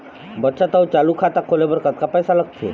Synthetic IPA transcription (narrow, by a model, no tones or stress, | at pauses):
bət̪ːsat̪awt͡ʃalukʰat̪akʰolebəɾkət̪̚kapəjsaləɡ̚t̪ʰḛ